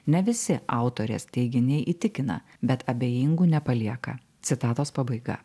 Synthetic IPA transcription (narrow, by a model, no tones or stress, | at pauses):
nʲɛʋʲɪsʲɪɑˑʊt̪oːɾʲḛːst̪ʲɛɪɡʲɪnʲɛɪʔiːt̪ʲɪkʲɪnɐ̰ | bʲɛt̪ʰɐbʲeːjiŋɡuːnʲɛpɐlʲiɛkɐ̰ | t̪sʲɪt̪ɑːt̪oːspɐbɐɪɡɐ̰